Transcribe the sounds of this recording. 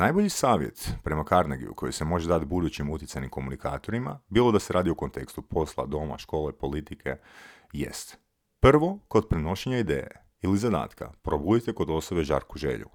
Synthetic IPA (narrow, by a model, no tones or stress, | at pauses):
najbo̞ʎisaːʋje̞̰t̪pɾe̞makaɾnaɡḭjṵkʰo̞jisemo̞ʒed̪at̪bud̪ut͡ɕimut̪ʲjtsanimko̞munika̰ːt̪o̞ɾima̰biːlˠo̞d̪ase̞ɾaːd̪ioko̞nt̪e̞kst̪upʰo̞slˠa̰d̪o̞ma̰ʃko̞ːlepo̞lit̪ikʰe̞ | jḛst̪ | pr̩ʋo̞ko̞d̪̚pɾeno̞ʃeɲaid̪ḛːjḛ | ilizad̪a̰ːt̪ka̰pɾo̞bud̪it̪e̞ko̞d̪o̞so̞be̞ʒa̰ɾkuʒḛʎṵ